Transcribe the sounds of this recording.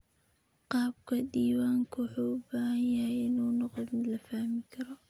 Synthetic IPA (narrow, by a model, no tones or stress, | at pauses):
qɑːb̚kʰɐd̪iːwaːŋkʰʊwʊħuːʊbaːhɐnjɐhɛjɪnuːnɔqɔd̪mɪd̪lɐfaːhmɪkʰɐɾɔ